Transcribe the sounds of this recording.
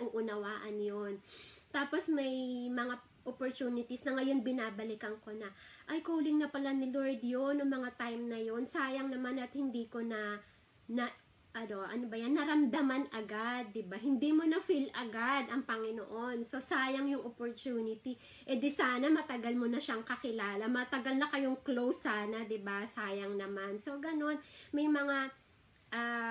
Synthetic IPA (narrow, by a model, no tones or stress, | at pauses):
ʔʊʔʊnɐwaːʔɐnjont̪aːpo̞smɐjmɐŋa | ʔopoɹt̪uːnɪt̪isnɐŋɐjo̞nbɪnaːbɐlɪkɐŋko̞nɐʔɐjkoːlɪŋnɐpɐlanɪloɹd̪jonʊŋmɐŋat̪ajmnɐjo̞nsaːjɐŋnɐmanɐt̪hɪnd̪iːko̞nɐ | nɐ | ʔɐnoʔɐnobɐjanːɐɾɐmd̪ɐmɐnɐɡad̪ːɪbaɦɪnd̪iːmo̞nɐfilɐɡad̪ɐŋpɐŋɪnoʔo̞nso̞saːjɐŋjʊŋʔopoɹt̪uːnɪt̪i | ʔɛd̪ɛsaːnɐmɐt̪ɐɡalmo̞nɐʃaŋkɐkɪlaːlɐmɐt̪ɐɡalnɐkɐjo̞ŋklo̞wsaːnɐd̪ɪbasaːjɐŋnɐmanso̞ɡɐno̞nmɐjmɐŋa | ʔa